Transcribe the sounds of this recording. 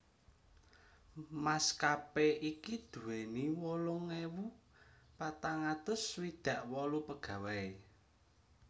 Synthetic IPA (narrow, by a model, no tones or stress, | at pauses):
maskapeʔikid̪̥ṳweniwɔlʊŋewu | pat̪aŋat̪ʊswid̪̥ä̤ʔwɔlupəɡ̥ä̤wai